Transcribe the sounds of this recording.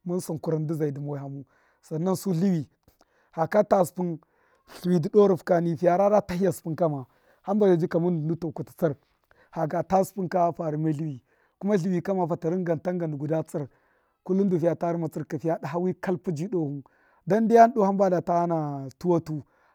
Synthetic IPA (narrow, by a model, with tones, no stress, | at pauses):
ma˦nsu˨ku˨ɾa˨ndi˦za˨i˨di˨mo˨ha˨mu˦ | sa˨nːa˦nsu˦ɬi˦wi˨ | ha˨ka˦ta˦spu˦n | ɬu˨wi˨di˨do˦ɾu˨fka˨ni˦˨fi˨ja˨ɾa˦ɾa˦ta˦hi˦ja˨spu˦nka˦ma˨ | ha˦mba˨ja˨d͡ʒi˦ka˨mu˦n˨ndu˦to˨ku˨ti̥˨t͡si˦ɾ | ha˨ɡa˨ta˦spu˦nka˦fa˨ɾi˨ma˦ɮi˦wi˨ | ku˦ma˦ɬi˨wi˨ka˦ma˨fa˨ta˨ɾi˦ŋɡa˨nta˦ŋɡa˨ndu˨ɡu˨da˦t͡si˦ɾ | ku˦lu˦ndu˨fi˨ja˨ta˦ɾi˦ma˨t͡si˦ɾka˨fi˦ja˦da˨ɦa˦wi˦ka˦lpu˦d͡ʒi˦do˦hu˦n | da˦n˦di˦ja˦n˦ɗo˦ha˦mba˦da˨ta˦ha˦na˨tu˦wa˦tu˦